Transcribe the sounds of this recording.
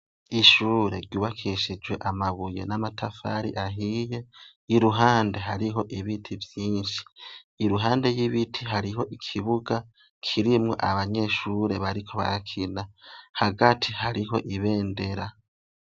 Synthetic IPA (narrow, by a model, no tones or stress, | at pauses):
iʃuːɾe̞ɾɟuːβakʰiʃid͡ʒwe̞ʔamaβuje̞̰namatʰafa̰ɾḭʔaɦije̞ | iɾuɦaːnde̞ɦaɾiɦo̞ʔiβitʰivjiːnʃi̥ː | ɾuɦaːnde̞jiβitʰiɦaɾiɦo̞ʔikʰiβuɡa | kʰiɾimŋo̞̰ʔaβaɲe̞ʃuːɾe̞βaɾikʰo̞βa̰ɾakʰinahaɡatʰihaɾiɦo̞̰ʔiβe̞ːnde̞ɾa